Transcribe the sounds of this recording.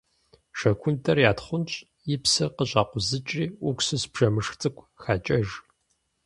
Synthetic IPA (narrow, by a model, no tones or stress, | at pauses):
ʂɐkʷʰʊntʰɐrjaːtχʷʊnt͡ʃʼ | jɪpsɨqəɕʼaːqʷʊzɨt͡ʃʼriːʔʊkʷsɨsbʒ̥ɐmɨʂxt͡sʼɨkʷʰʼxaːt͡ʃʼɐʒ